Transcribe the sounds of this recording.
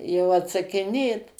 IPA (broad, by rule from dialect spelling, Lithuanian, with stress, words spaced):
jɛʊ ɐtsɐkʲɪˈnʲeːt